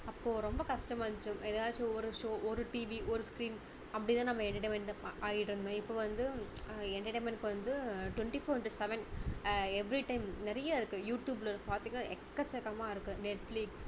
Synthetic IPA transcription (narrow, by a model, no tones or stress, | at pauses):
ɐpːoːɾɔmbɐkɐʂʈɐmaːnt͡ʃːɯmʔɛðaːʈːɯɔɾɯʂoːʔɔɾɯʈiːʋiʔɔɾɯskɾiːn | ɐpːɐɽɪt̪ãːnɐmːɐɛɳɖɐʈemɛɳɖɐʔaːjɪʈɪɾɯnd̪õːɪpːoːʋɐnd̪ɯɛɳɖɐʈemɛnʈkːɯʋɐnd̪ɯʈʋɛɳʈifoːɾʈusɛʋɛn | ɛʋɾiʈɐɪmnɪɾɐjaɪɾɯkːɯjuːʈjuːblɐɾkpaːɾt̪iŋɡɐnaːʔɛkːɐt͡ʃːɛkːɐmaːɪɾɯkːɯnɛʈfliks